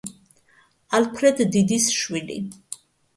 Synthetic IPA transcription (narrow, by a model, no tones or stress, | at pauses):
alpʰɾɛd̪ːid̪isʃwilḭ